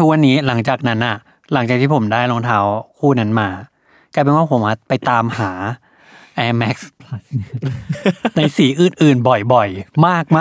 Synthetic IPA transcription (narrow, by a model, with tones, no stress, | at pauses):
t̪ʰu˦˥k̚wa˧nːiː˦˥la˩˦ŋt͡ɕaː˨˩k̚na˦˥nʔa˨˩ | la˨˩˦ŋt͡ɕaː˨˩k̚t̪ʰiː˥˩o˩˦mdaː˥˩jlo˧ŋt̪ʰaː˦˥wkʰuː˥˩na˦˥nmaː˧ | ka˧jpe˧nwaː˥˩pʰo˨˩˦mʔa˧˩pa˧jt̪aː˧mhaː˩˦ | ʔɛː˧˥mɛ˦˥k̚s | na˧jsiː˩˦ʔɯː˨˩nʔɯː˨˩nbɔ˨˩jbɔ˨˩jmaː˥˩k̚maː˥